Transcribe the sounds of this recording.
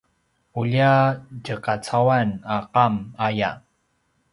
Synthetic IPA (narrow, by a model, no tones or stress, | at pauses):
uʎaɟəkat͡sawanaqamaja̰